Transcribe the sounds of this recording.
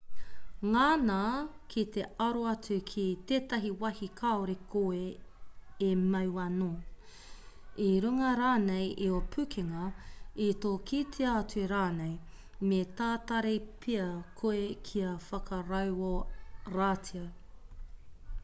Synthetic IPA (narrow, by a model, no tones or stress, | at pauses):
ŋaːnaːkʰit̪eɐɾoɐt͡sukʰit̪eːtɐɦiwɐhikʰaoɾekʰoe | emɐwɐnoː | iɾuŋɐɾaːnejʔiopʰʉkʰeŋɐitoːkʰitʰeɐɐt͡sueɾaːnej | metaːt̪ɐɾepʰiɐkʰoekʰiɐfɐkʰɐɾɐwoɾatʰiɐ